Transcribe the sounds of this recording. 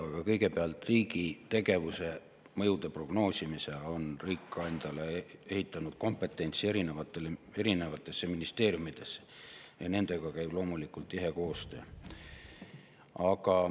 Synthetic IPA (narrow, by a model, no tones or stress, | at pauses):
ɑɡ̥ɑkɤjɡ̥e̞peɑlt̪riːɡit̪e̞ɡe̞vuse̞ | mɤjud̪̥e̞pro̞ɡ̥no̞ːsʲimise̞lo̞nriːkˑːɑɑnd̪̥ɑlee̞hit̪ˑːɑnud̪̥̚ko̞mpːˑe̞t̪ːˑe̞nʲt̪sie̞ɾinevɑt̪ːˑelee̞ɾine̞vɑt̪ːˑe̞sːeminist̪e̞ːɾjumid̪̥e̞sːe̥jɑne̞nd̪̥e̞ɡ̥ɑkæjb̥lo̞ːmulikult̪ːˑiɦe̞ko̞ːst̪ø̞̰ː | ɑkɑ